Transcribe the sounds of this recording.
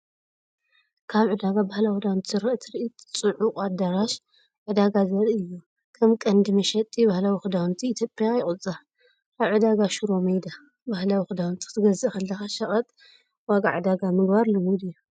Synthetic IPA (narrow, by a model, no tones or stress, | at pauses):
kʰaβʕɨd̪aɡabahlawid̪awnt̪ʰzɨɾɐʔt̪ʰɨɾʔit̪ʼt͡sʼɨʕukʼad̪aɾaʃ | ʕɨd̪aɡazɐɾiɨjːu | kʰɐmkʼɐnd̪ɨmɐʃɐt̪ʼibahlawixɨd̪awnt̪ʰiːt̪ʰjopʼjajɪkʼɨt͡sʼa | ʔaβʕɨd̪aɡaʃuɾo̞mɐjd̪a | bahlawixɨd̪awnt̪ʰi̥t̪ʰɨɡɐzɨʔxɐlːɐxaʃɐχʼɐt̪ʼ | waɡa̰ʕɨd̪aɡamɨɡbaɾlɨmud̪ɨjːu